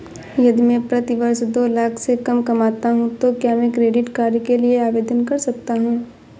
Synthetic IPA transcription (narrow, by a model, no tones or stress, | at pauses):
jɐd̪ʱimẽpɾɐt̪iʋɐɾsd̪oːlaːkʰsekɐmkɐmaːt̪aɦũt̪okjaːmẽkɾeːɖɪʈkaːɾikelieaːʋeːd̪ənkɐɾsɐk̚t̪aɦũː